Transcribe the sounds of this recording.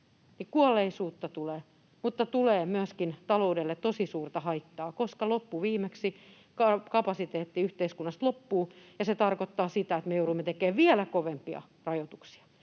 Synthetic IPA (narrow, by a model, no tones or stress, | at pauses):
nikuɑlːˑeisuːt̪ːɑt̪uleː | mut̪ːɑt̪uleːmyæskint̪ɑloudelːet̪t̪osisuːrt̪ɑhɑit̪ːɑːkoskɑlopːuʋiːmeksi | kɑkɑpɑsit̪eːt̪ːiyht̪eiskunːɑst̪lopːuːjɑset̪ɑrkot̪ːɑːsit̪æet̪mejouruimːet̪ekeːʋʋiælækoʋempiɑ̰ | rɑjot̪u̥ksi̥ɑ̥